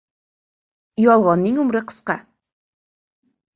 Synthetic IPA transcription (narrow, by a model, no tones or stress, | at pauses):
ĭjɑlˠʁɑniŋʉmɾɤqɤ̥̆sqɑ